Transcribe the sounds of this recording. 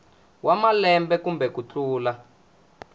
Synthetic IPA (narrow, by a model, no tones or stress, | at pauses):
wamalɛmbɛkumbɛkut͡ɬʰuːla